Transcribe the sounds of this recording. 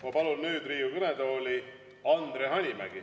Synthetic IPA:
mɑpɑlunnyːd̪riːukɤned̪o̞ːli | ɑnd̪̥ɾeɦɑnʲimæ̰ɡ̥i

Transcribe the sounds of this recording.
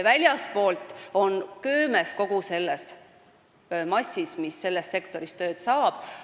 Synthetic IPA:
vælʲjɑspo̞ːlt̪ˑo̞nkøːme̞sko̞ɡ̥use̞lːes | mɑsʲːismisːe̞lːest̪se̞kt̪o̞ɾist̪ø̞ːt̪sɑːb̥

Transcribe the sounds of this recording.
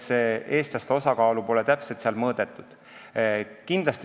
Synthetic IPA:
see̞ːst̪ɑst̪o̞sɑkɑːlupo̞lɛt̪æpselt̪seɑlmɤːd̪̥e̞t̪ːˑud̪̥ | kind̪̥lɑst̪

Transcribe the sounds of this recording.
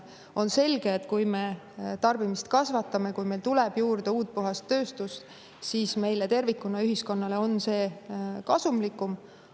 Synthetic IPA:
o̞nse̞lɡe̞ːt̪kujme̞ | t̪ɑrb̥imist̪kɑsvɑt̪ːˑɑme̞kujme̞jlt̪ulɛb̥juːrd̪̥euːt̪̚puɦɑst̪ːø̞ːst̪ust̪ | siːsme̞jlet̪e̞rvikːunːɑyɦisko̞nːɑle̞o̞nse̞ːkɑsumlikːˑum

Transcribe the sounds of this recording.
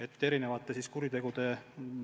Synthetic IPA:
et̪ːe̞ɾine̞vɑt̪ːˑesiskuɾit̪e̞ɡ̥ud̪e̞

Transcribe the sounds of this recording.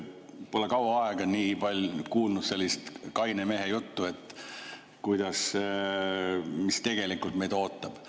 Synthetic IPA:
po̞lekɑwɑɑeɡ̥ɑniːpɑlʲkuːlnud̪̥se̞lʲːist̪kɑjneme̞ɦejut̪ːue̞t̪ːˑ | kujd̪̥ɑs | mist̪e̞ɡ̥e̞likult̪me̞jd̪̥o̞ːt̪ːˑɑb̥

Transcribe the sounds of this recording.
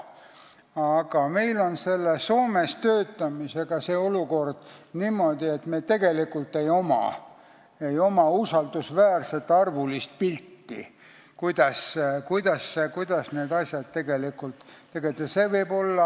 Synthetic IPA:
ɑɡ̥ɑme̞jlo̞nse̞lːeso̞ːmest̪øːt̪ːˑɑmise̞ɡ̥ɑseːo̞luko̞rd̪̥niːmo̞d̪̥ie̞t̪meːt̪e̞ɡ̥e̞likːult̪ːe̞jo̞mɑ̰ | ejo̞mɑusɑld̪̥usvæːrse̞t̪ːˑɑrvulist̪̚pilʲt̪ːḭ | kujd̪̥ɑskujd̪̥ɑskujd̪̥ɑsne̞ːd̪ɑsʲjɑd̪̥̚t̪ːe̞ɡ̥e̞likult̪t̪ːeɡ̥elt̪ːˑɑseːvɤjbo̞lːɑ

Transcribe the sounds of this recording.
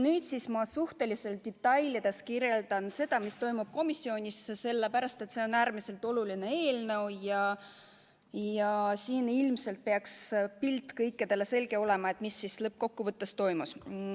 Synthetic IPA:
nyːt̪sismɑsuht̪e̞lise̞ld̪̥it̪ːɑjlid̪̥e̞skirje̞ld̪̥ɑnse̞d̪̥ɑmist̪o̞jmub̥̚ko̞misːio̞ːnʲisse̞lːepæɾɑst̪e̞t̪se̞o̞næːɾmise̞lt̪ˑo̞luline̞e̞ːlnɤ̞wjɑ | jɑsiːnilmse̞lt̪̚peɑkspilt̪ːˑkɤjkːˑed̪̥e̞le̞se̞lɡe̞o̞le̞mɑe̞t̪misːislɤp̚ːko̞kːuvɤt̪ːest̪o̞jmus

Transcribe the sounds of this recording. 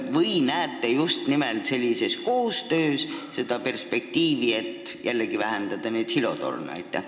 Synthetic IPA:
vɤjnæːt̪ːˑejust̪nimelt̪se̞lʲːise̞sko̞ːst̪ø̞ːsse̞d̪̥ɑpe̞rspe̞k̚t̪iːvie̞t̪ːjʔælːeɡivæɦend̪̥ɑd̪ɑneːd̪̥silo̞̰t̪o̞̰rnɑ̰jt̪ːˑæ̰

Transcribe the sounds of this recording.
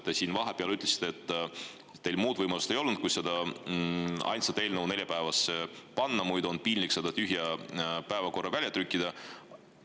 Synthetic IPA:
t̪ːˑesiːnvɑɦe̞peɑlyt̪ˑlesi̥t̪ːeet̪ː | e̞jlmuːd̪vɤjmɑlust̪e̞jo̞lnd̪̥̚ku̥se̞d̪ɑ | ɑ̰jnsɑt̪e̞ːlnəwne̞lʲjɑpæevɑsːepɑnːɑmujd̪o̞npiːnliksed̪̥ɑt̪yɦjɑpæevɑko̞rːɑvælʲjɑt̪ɾykʲːˑid̪̥ɑ

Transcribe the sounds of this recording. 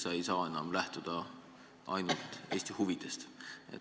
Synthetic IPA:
sɑe̞jsɑːe̞nɑmlæht̪ud̪̥ɑ | ʔɑ̰jnult̪ˑe̞ːsʲt̪ihuvid̪̥e̞st̪ḛ

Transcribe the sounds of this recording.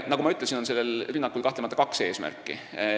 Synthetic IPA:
nɑkumɑyt̪ːˑlesino̞nse̞lːelrynːɑkːˑulkɑht̪lemɑt̪ːˑɑkɑkse̞ːsmæ̰rkːḭ

